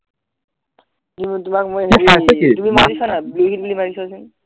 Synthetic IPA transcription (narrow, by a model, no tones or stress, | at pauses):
zimtumakmojisasɛkitumimazisanabluɦit̚bulimazisasin